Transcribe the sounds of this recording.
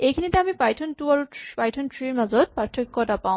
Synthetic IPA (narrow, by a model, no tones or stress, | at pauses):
ejkʰinit̪eamipajʈʰɔntuaɾupajʈʰɔnʈʰɹiɾmazɔd̪̥̚paʈʰːokːɔʈapaʊ̃